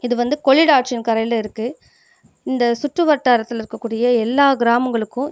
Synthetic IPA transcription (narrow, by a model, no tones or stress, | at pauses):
ɪðɯʋɐnd̪ɯkɔɭɪɽaːʈ̚t͡ʃɪnkɐɾɐjlɐɪɾɯkːɯ | ɪnd̪ɐsʊʈrɯʋɐʈːaːɾɐt̪ːɪlɪɾɯkːɐkːuːɽɪjɐɛlːaːɡɪɾaːmɐŋɡɐɭɯkːʊ̃